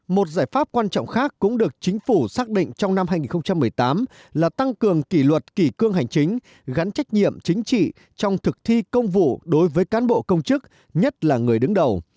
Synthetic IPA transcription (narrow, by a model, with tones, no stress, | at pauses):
mo˨˩t̚zaː˧˩jfaː˦˥p̚kwaː˧nt͡ɕɔ̰˧˨ŋ͡mxaː˦˥kːʊ̰˧˥ŋ͡mɗɨ˨˩ək̚t͡ɕï˨˦ŋ̟fu˧˩saː˦˥k̚ɗḭ˧˨ŋ̟t͡ɕɔ˧wŋ͡mna˧mhaː˧jŋi˨˩nxə˧ŋ͡mt͡ɕa˧mːɨ˨˩əjt̪aː˨˦m | laː˨˩t̪a˧ŋkɨ˨˩əŋki˧˩lwə˨˩t̚ki˧˩kɨ˧əŋɦa˨˩ŋ̟t͡ɕï˨˦ŋ̟ | ɣa˨˦nt͡ɕa˦˥jk̟̚ɲḭ˧˨əmt͡ɕï˨˦ŋ̟t͡ɕḭ˧˨ | t͡ɕɔ˧wŋ͡mt̪ʰɨ˨˩k̚t̪ʰi˧kə˧wŋ͡mvṵ˧˨ɗo˨˦jvəː˨˦jkaː˨˦nɓo̰˧˨kə˧wŋ͡mt͡ɕɨ˦˥k̚ | ɲə˦˥t̚laː˨˩ŋɨ˨˩əjɗɨ˨˦ŋɗə˨˩w